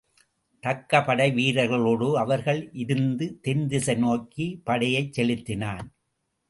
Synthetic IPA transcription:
t̪ɐkːɐpɐɽɐɪʋiːɾɐɣɐɭoːɽoɐʋɐɾɣɐɭʔɪɾɯnd̪ɯt̪ɛnd̪ɪsɐɪnoːkːipɐɽɐjɐɪt͡ʃsɛlɪt̪ːɪnaːn

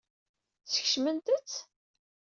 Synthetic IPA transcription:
t͡sːə̥ç̥ʃmənt̪ət͡sː

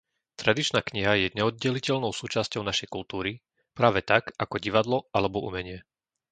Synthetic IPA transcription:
t̪ɾad̪it͡ʃnaːkɲiɦajɛɲɛɔd̪̚ɟɛlicɛʎnɔʊsuːt͡ʃascɔʊnaʃɛjkult̪uːɾi | pɾaːʋɛt̪akakɔɟiʋad̪lɔalɛbɔṵmɛɲɪɛ

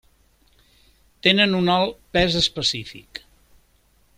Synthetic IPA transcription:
t̪enənunɔlˠpɛzəspəsifḭk

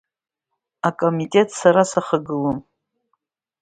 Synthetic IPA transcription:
akʼomitʼe̞tʼsaɾasaχaɡɨlom

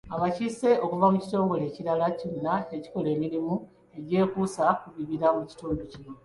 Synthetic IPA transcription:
aβacise̞ʔo̞kuvamuci̥to̞ːŋɡo̞le̞ːciɾalaconːaeci̥ko̞le̞ːmiɾimu | e̞ɟe̞ːkuːsakuβiβiɾamuci̥tuːnducino̞

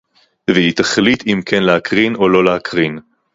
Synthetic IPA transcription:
vehit̪aχlit̪imkʰɛnleakʁino̞lo̞leakʰʁin

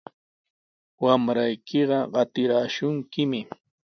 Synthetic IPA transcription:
wamɾajkʰɪɢɑɢɑt̪ɪɾaːʃʊŋkɪmɪ

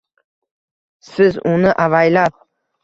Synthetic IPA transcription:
sɪzʊnɪʔavajlap̚

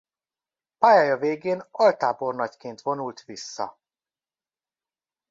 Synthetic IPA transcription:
paːjaːjɒveːɡeːnɒlt̪aːbo̞rnɒckeːnt̪vo̞nult̪ʋisːɒ̰

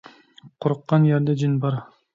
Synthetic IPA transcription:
qʰoɾʊqːɑnjɛɾd̪ɛd͡ʒɪnbɑɾ

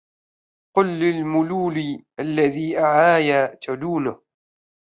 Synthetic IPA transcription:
qʊlːɪlmʊluːliʔalːaðiːʔaʕaːjat̪aluːnʊh

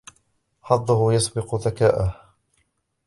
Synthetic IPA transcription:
ħɑd̪ˤːʊhʊjɑsˤbɪqʊðakaːʔah

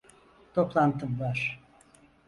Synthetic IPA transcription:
t̪ʰoplˠant̪ʰɯbvaɾ̥

